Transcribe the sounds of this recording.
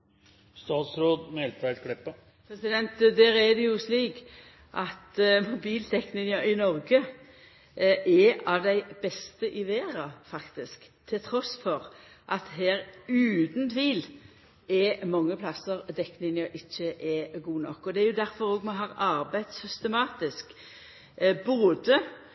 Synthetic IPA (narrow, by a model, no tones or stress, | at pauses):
st̪ɑːt̪sɾoːd̪mɛlt̪ʰæɪt̪kʰɽɪpːə | pʰɾɛsɪd̪ɛnt̪d̪æːɾɛd̪ɛjʊsliːk | ʔɑt̪mʊbiːlt̪ʰɛknɪŋɑɪnɔʁɡə | ɛɑʋd̪æɪb̥ɛst̪əʔɪʋeːʁɑfɑkt̪ɪskt̪ʰɪlt̪ʰɾɔsfɔʁ | ʔɑt̪ɦeːɾʉːd̪nt̪ʰʋiːl | ɛmɑŋːəpʰlɑsːəʁd̪ɛknɪŋəʔɪçːəʔɛɡuːnɔkːɔd̪ɛæɾjʊd̪æɾfɔɾoːɡmɛɦɑːʁɑɾbæɪd̪sʏst̪əmɑːt̪ɪsk | boːd̪ə